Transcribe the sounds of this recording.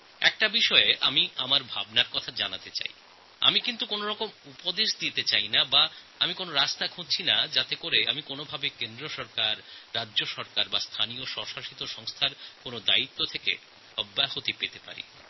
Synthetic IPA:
ɛ̰k̚ʈabiʃɔeʔamiamaɾbʱa̰bnaɾkɔt̪ʰad͡ʑanat̪et͡ɕa̰j | a̰mikint̪ukonoɾɔkomupod̪eʃd̪it̪et͡ɕajnaba | amikonoɾast̪akʰũd̚t͡ɕʰinad͡ʑat̪ekoɾeamikonobʱabekend̪ɾoʃɔɾkaɾːaʑoʃɔɾkaɾbast̪ʰanijoʃɔʃaʃit̪oʃɔŋst̪ʰaɾkonod̪ait̪ːot̪ʰekḛ | ɔbːahot̪ipet̪epa̰ɾḭ

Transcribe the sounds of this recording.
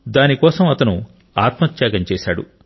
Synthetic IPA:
d̪aːnikɔːsɐmɐt̪ɐnu | aːt̪mɐt̪jaːɡɐɲt͡ʃɛːʃa̰ːɽṵ

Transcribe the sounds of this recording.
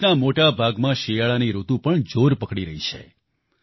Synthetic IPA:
namoʈabʱaɡmãʃijaɭaniɾut̪ũpəɳd͡ʒoɾpəkɽiɾəɦit͡ʃʰḛ

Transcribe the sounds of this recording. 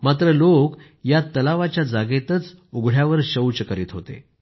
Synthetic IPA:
mat̪ɾəlok | jat̪əlaʋat͡ɕjad͡zaɡet̪ət͡suɡʱɽ̤jaʋəɾɕəwt͡ɕəkəɾiːt̪ɦot̪ḛ

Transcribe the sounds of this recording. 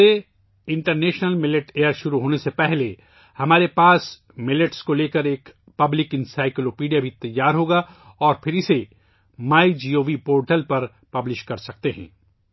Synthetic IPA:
e | ɪ̃ɳʈəɾneːʃnəlmɪlɪʈeːəɾʃʊɾuɦoːnesepɛɦle | hɐmaːɾepaːs | mɪlɪʈskoleːkɐɾeːk | pɐblɪkɪ̃nsaːɪkloːpiːɖijabʱit̪ɐjːaːɾɦoːɡa | ɔːɾpʰɪɾɪse | maːid͡ʒiːoːʋipoːɾʈəlpɐɾ | pɐblɪʃkɐɾsɐk̚t̪eɦɛ̰̃ː

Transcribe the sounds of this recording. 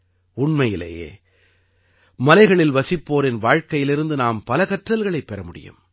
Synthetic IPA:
ʊɳmɐjɪlḛːjḛː | mɐlɐɪɣɐɭɪlʋɐsɪpːoːɾɪnʋaːɻkɐjɪlɪɾɯnd̪ɯnaːmpɐlɐɣɐʈrɐlɣɐɭɐɪpːɛɾɐmʊɽɪ̰jɯ̰m

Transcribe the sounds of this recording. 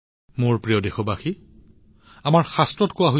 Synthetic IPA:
mʊɹpɹijɔdexɔbaxi | amaɹxastɹɔtkowaɦo

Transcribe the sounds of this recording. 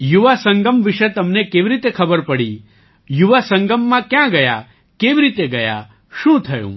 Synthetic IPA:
juʋasə̃ŋɡəmʋiʃet̪əmnekeʋiɾit̪ekʰəbəɾpəɽḭ | juʋasə̃ŋɡəmːãkjãɡəja̰ | keʋiɾit̪eɡɐja̰ | ʃũt̪ʰəjṵ̃

